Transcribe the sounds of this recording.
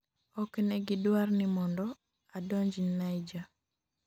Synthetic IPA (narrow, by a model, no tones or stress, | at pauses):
ɔknɛɡidwarnɪmɔndɔ | adɔɲd͡ʒinajd͡ʒa